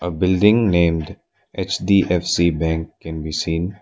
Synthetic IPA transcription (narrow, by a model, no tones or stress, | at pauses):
əbɪlɖɪ̃ŋnẽːmɖ | et͡ʃdiːʔɛfsiːbɛ̃ŋkːɛ̃nbiːsĩːn